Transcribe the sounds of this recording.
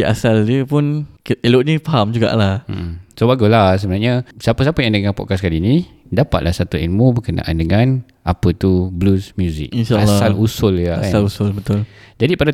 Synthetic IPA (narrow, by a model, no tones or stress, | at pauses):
a̰saldəpʊnkeloʔɲəfaɦamd͡ʒuɡa̰ʔlahm̩ʔ̩sobaɡulas̬əbənarɲasapəs̬apəjaŋdəŋapɔ̰ʔkaskalinĩdapa̰t̪̚lʔahsat̪uilmũbəkəna̰ʔa̰ndəŋan | ʔapət̪ublusmjuzḭk̚inʃaalsalusʊljaasalusʊlbət̪ʊld͡ʒadipada